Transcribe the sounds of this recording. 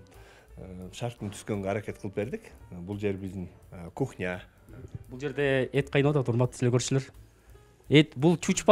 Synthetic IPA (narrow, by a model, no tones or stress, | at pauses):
ʃɑɾt̪ɪnt̪ʰy̥skø̞ŋɡeɑɾakʲe̞t̪̚qʰəlˠəp̚be̞ɾd̪ɪkbulˠd͡ʒe̞ɾbɪzd̪ɪŋkʰuχnʲa | bulˠd͡ʒe̞ɾd̪e̞et̪̚qʰɑjnɑt̪ɑt̪uɾmɑt̪ːslekʰøɾʃyleɾ | et̪bulˠt͡ʃʰut͡ʃpɑ